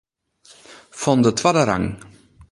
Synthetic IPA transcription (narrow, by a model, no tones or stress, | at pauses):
fɔndətwadəɾa̰ŋ